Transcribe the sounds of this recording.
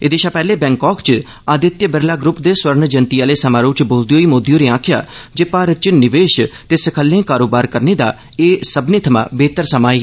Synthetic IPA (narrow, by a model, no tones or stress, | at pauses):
ɪd̪eːʃaːpɛːleːbɛ̃ːŋkɔːkt͡ʃ | aːd̪ɪt̪jəbəɾlaːɡɾʊpd̪eːswəɾnd͡ʒənt̪iaːleːsəmaːɾõːt͡ʃboːld̪ijoːiːmoːd̪ijoːɾeːãːkʰja̰ːd͡ʒeːpaːɾt͡ʃənɪʋeːʃt̪eːsəkʰəlːẽːkaːɾoːbaːɾkəɾneːd̪a̰ː | eːsəbneːt̪ʰəmã̰ːbeːt̪əɾsəmaːeː